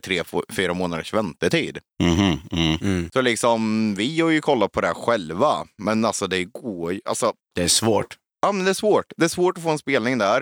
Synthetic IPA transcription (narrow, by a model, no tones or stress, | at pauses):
t̪ʰɾeːffyːɾamoːnad̪əʂvɛnt̪ət̪ʰḭːd̪ | m̩ɦ̩ | sɔlɪksɔmvɪjoːɾjɵkʰɔlːat̪̚pʰɔd̪ɛæɧɛlvamɛnalsɔd̪ɛɡoːjʔa̰lsɔ | d̪ɛæʂvoːʈ | jɑːmɛnd̪ɛæʂvoːʈd̪ɛːʂvoːʈɔfoːɛnspeːlnɪŋd̪æɾ